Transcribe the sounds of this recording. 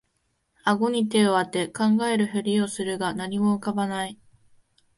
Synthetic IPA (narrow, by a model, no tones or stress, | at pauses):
aɡo̞ɲ̟it̪̬e̞oβat̪ːe̞kãŋɡae̞ɾɯ̟çɯɾʲio̞sɨɾɯ̟ɡanaɲ̟imo̞ɯkabanai